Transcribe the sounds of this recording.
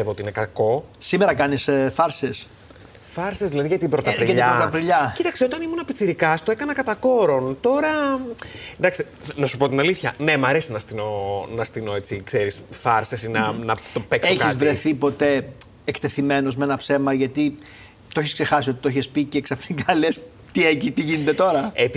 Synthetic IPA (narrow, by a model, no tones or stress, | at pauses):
evoiinekɐko̞sime̞ɾɐkɐnisfɐɾses | fɐɾsezðilɐðiʝɐt̪ibɾot̪ɐɾiɐtʎɐbɾot̪ɐpɾiʎɐcit̪ɐkseo̞t̪ɐnimunɐpit͡siɾikɐst̪oekɐnɐkɐt̪ɐko̞ɾo̞nt̪o̞ɾɐ | nd̪ɐkst̪e | nɐsupo̞t̪inɐliθçɐne̞mɐɾesinɐst̪inonɐst̪inoet͡sikseɾisfɐɾsesinɐnɐt̪opeksekizvɾe̞θipo̞t̪e̞ | ekt̪e̞θime̞no̞zmeenɐpse̞mɐʝɐt̪i | t̪oçiskse̞xɐsio̞t̪it̪oiçespiceːksɐfikɐles | t̪iecit̪iʝinet̪e̞t̪o̞ɾɐep